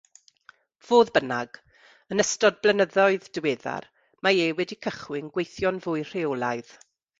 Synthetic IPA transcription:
v̥oːðbənaɡ̥ | ənəstɔd̚blˠənəðɔɨðdəweːða̰r | maeːwɛdikʰəχwɪnɡwejθjɔnvʊːɨjr̥eolˠaɨð̥

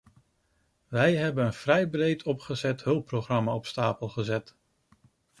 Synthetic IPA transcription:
ʋɛjɦɛbənənv̥rɛjbrejtʰɔpχəzɛtɦɵlˠproχrɑmaɔpstaːpəlˠχəzɛt

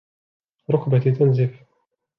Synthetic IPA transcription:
ɾˤʊkbat̪t̪ːanzif

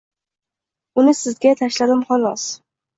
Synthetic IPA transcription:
ʊnɪsɪzɡʲat̪ʰaʃlad̪ɪmχɒlˠɒ̰s

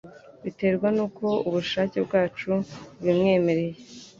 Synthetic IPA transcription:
βite̞ːɾɡwanuːko̞uβuʃaːce̞bɡaːt͡ʃuwimŋe̞ːme̞ɾe̞je

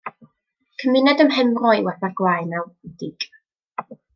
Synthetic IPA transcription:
kʰəmɪnɛdəmɦɛmrɔjwɛθarɡ̥wajnawidɪɡ

